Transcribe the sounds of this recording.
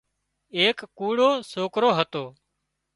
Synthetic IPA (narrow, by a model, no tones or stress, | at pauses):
eːkːuːɽoːsoːkɾoːɦət̪oː